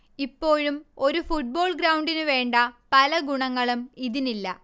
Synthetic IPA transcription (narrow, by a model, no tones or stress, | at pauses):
ipːo̞ːɻumo̞ɾufuʈ̚bo̞ːɭɡɾɐwɳɖinɨʋe̞ːɳɖɐpɐlɐɡuɳɐŋːɐɭumiðinilːɐ